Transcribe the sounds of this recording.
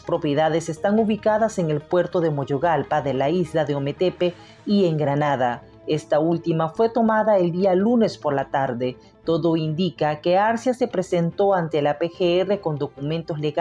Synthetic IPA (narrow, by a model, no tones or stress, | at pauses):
spɾo̞pje̞ðaðe̞sest̪aŋuβikaðase̞ŋe̞lpwe̞ɾt̪o̞ðe̞mo̞ʝo̞ɣalpaðe̞laizlaðe̞ome̞t̪epe | ie̞ŋɡɾanaða | e̞st̪ault̪imafwe̞t̪o̞maðae̞ld̪ialune̞spo̞ɾlat̪aɾðe̞ | t̪o̞ðo̞ind̪ikake̞aɾsjase̞pɾe̞se̞nt̪o̞ant̪e̞lape̞xeere̞ko̞nd̪o̞kumẽnt̪o̞zle̞ɣ